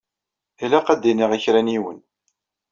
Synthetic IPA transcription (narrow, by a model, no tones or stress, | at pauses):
ilæqæd̪iniʁiçɾæniwə̰n